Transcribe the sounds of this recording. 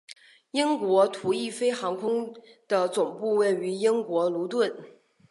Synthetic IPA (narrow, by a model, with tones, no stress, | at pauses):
i˥ŋkwɔ˧˥t̪ʰu˧˥i˥˩fe˥ɪxɑ˧˥ŋkʰʊ˥ŋd̪̥ə˨t͡sʊ˨˩ŋpu˥˧we˥˩ɪy˧˥i˥ŋkwɔ˧˥lu˧˥t̪wə˥˩n